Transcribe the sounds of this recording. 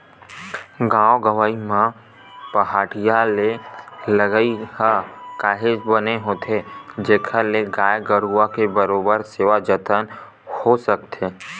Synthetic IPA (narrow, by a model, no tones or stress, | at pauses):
ɡãːoɡəʋaːimã | pəɦaːʈijaleləɡəikakaːɦɪd͡ʒbəneɦoːt̪ʰed͡ʒeːkʰaleɡaːjɡəɾuakebəɾoːbəɾseːʋad͡ʒət̪ʰən | hosəkt̪ʰeː